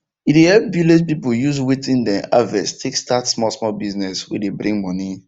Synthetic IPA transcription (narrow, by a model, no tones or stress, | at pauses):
idehɛp̚biled͡ʒpipʊjuzwetĩndɛ̃a̰vɛstʰekstatsmɔlsmɔlbiznɛswḭdebɾĩŋmɔni